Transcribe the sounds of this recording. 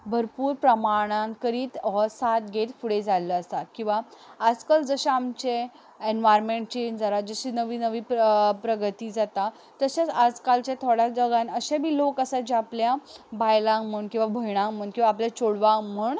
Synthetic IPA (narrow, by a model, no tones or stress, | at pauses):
bʱəɾpuːɾpɾəmaɽ̃aŋkəɾiːt̪sat̪̚ɡʱet̪fuɽed͡zaləəst̪at̪kĩw̃ʋaːd͡zkəld͡zəɕaamt͡ɕe | enʋajɾmẽɳʈ̚t͡ɕend͡zaɾad͡zəɕiːnəʋiːnəʋiːppɾəɡət̪iːd͡zat̪a | t̪əɕat͡sad͡zkalt͡ɕjat̪ʰoɽjad͡zəɡanəɕebʱiːlokəsad͡ʑeapljabajlãŋməɳkĩw̃ʋabʱəjɽ̃ãŋməɳkĩw̃ʋaːpljat͡ɕoɽʋãŋmuːɳ